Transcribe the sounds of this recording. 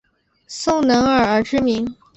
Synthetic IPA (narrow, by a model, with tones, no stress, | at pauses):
sʊ˥ŋnɤ˧˥ŋə˞˨˩ə˞˧˥ʈ͡ʂɻ̩˥mi˧˥ŋ